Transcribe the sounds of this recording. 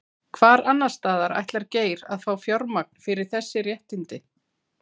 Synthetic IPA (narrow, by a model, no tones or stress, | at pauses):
kʰvaːɾanːast̪aːðaɾa̰jt̪laɾceːjɾaðfaːwfjɔɾmak̚n̥fɪɾɪɾ̥θɛsːɪrjɛht̪ɪnt̪ɪ